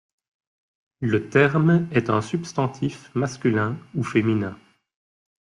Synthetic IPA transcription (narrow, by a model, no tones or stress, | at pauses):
lət̪ɛʁmɛt̪ɛ̰̃sybst̪ɑ̃t̪ʰifmaskʲylɛ̃ufeminɛ̃